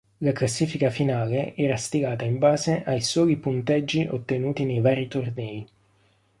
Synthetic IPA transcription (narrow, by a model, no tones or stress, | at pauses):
laklasːiːfikafinaːleʔɛːɾast̪iɡaːt̪aiɱbaːzeʔajsɔːipunt̪ɛd͡ʒːiʔot̪ːenuːt̪inejvaːɾit̪ornɛːi